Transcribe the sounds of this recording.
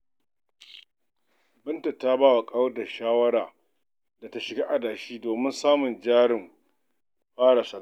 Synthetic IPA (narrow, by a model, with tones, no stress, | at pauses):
bɪ˦ntɐ˨tːaː˦baː˦wa˨kʼa˦wda˨ʃaː˦wɐ˦ɽaː˨ | da˨ta˦ʃɪ˨ɡaː˦ʔa˨daː˨ʃiː˦doː˨mɪ˦nsaː˦mʊ˨nd͡ʒaː˦ɽɪ˨m | ɸaː˦ɽa˨sɐ˨a˦˨